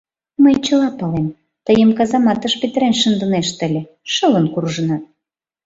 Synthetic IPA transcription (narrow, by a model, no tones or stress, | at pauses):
məjt͡ɕəlɑpɑlem | t̪əjəmkɑzɑmɑt̪əʃpet̪əɾenʃənd̪ə̆neʃt̪əlʲĕ | ʃələnkurʒə̆nɑt̪̚